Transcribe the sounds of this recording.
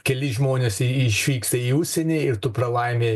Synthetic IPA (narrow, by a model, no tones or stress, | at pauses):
kʲɛlʲɪʒmoːnʲesɪʃʲʋʲiːkst̪ɐiːʊʃʲsʲɛnʲeːɪɾt̪ʊpɾɐlˠɐɪmʲeː